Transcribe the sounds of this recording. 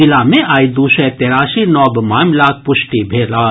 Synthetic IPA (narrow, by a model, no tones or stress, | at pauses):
ɪlaːmẽʔaːid̪usɛt̪eːɾaːʃinɔːbmaːmlaːk̚pʊʃʈibʱeːlaː